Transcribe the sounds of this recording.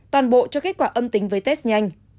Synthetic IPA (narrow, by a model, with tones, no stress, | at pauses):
t̪waː˨˩nɓo̰˧˨t͡ɕɔ˧ke˦˥t̚kwaː˧˩ʔə˧mt̪ï˨˦ŋ̟vəː˨˦jt̪ɛ˦˥s̚ɲa˧jŋ̟